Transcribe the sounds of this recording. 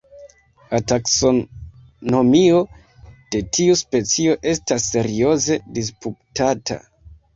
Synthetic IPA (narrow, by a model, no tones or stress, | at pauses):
latakso̞ | no̞mio̞ | d̥e̞tiuspe̞t͡sio̞ʔe̞stasːe̞ɾio̞ze̞dis̬puptata̰